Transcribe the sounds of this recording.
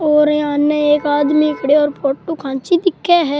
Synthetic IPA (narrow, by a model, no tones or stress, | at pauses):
ɔːɾeaːnːeeːkaːd̪miɪkɽeɔːɾpoːʈːukʰãːt͡ʃid̪ɪkʰːeɦɛː